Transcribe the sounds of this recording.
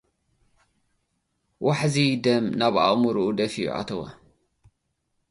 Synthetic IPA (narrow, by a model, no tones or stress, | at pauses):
wʔaħzid̪ɐmnaβʔa̰ʔmuɾuʔud̪ɐfiṵʔa̰t̪ʰɐwɐ̰